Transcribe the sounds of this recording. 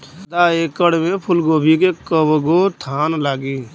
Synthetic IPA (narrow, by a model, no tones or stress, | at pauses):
d̪aːekəɽmẽpʰʊlɡoːbʱikekəbɡot̪ʰaːnlaːɡiː